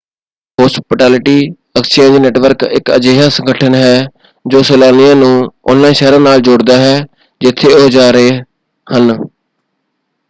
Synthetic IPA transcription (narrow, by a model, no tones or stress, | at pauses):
ɦoːspʈɛːlɪʈiː | əkst͡ʃẽːnd͡ʒnɛːʈʋəɾkɪ̰kə̰d͡ʒeːɦaːsəŋɡəʈʰənɦɛː | d͡ʒoːsɛːlaːnɪjãːnũːɔ̰ːnlãiːʃɛːɾãːnaːld͡ʒʊɽd̪aːɦɛː | d͡ʒɪt̪ʰːeːoːd͡ʒaːɾəeː | hən